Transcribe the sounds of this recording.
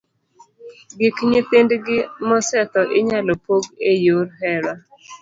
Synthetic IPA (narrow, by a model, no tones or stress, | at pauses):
ɡɪkɲɪt̪ɪndɡɪmɔsɛt̪ɔʔɪɲalɔpoɡejoɾɦɛɾwa